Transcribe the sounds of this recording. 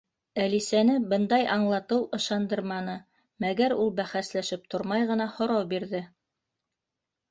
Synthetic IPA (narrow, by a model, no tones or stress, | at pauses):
ælisænɘbɤnd̪ɑjʔɑɴlˠɑt̪ɤwʔɤ̆ʃɑnd̪ɤɾmɑnɤ | mæɡæɾulˠbæχæslæʃɘp̚t̪ʰoɾmɑjʁɤ̆nɑhŏɾɑwbiɾðɘ